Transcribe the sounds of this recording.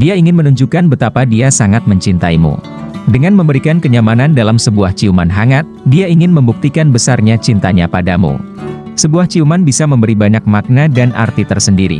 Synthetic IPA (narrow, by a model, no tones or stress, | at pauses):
diaiŋɪnmənuɲd͡ʒukanbət̪apadiasaŋat̪̚məɲt͡ʃint̪aimṵ | dəŋanməmbəɾikankəɲamanandalamsəbuaht͡ʃiumanɦaŋat̪̚diaiŋɪnməmbuk̚t̪ikanbəsarɲat͡ʃint̪aɲapadamṵ | səbuaht͡ʃiumanbisaməmbəɾibaɲak̚mak̚nadana̰rt̪it̪ərsəndiɾḭ